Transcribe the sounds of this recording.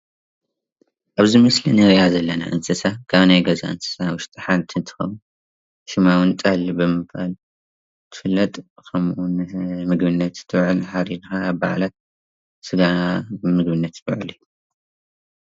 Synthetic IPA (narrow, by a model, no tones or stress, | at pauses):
ʔaβzɨmɐslinɨɾjazɐlːɐna̰ʔɨnsʰʼɨsakʰaβnajɡɐza̰ɨnsʰʼɨ̥sawʊʃt̪ʼɨħalt̪ʰɨnt̪ʰɨ̥xɐ̰wu | ʃɨmawɨnt̪ʼalibɨmɨbbal | t̪ʰɨ̥fɨlːɐt̪ʼkʰɐmʔunmɨɡbɨnːɐt̪t̪ʰɨβʕɨlħaɾid̪xabba̰ʕlat̪̚ | sɨɡaɨmɨɡbɨnːɐt̪bɨ̰ʕɨliju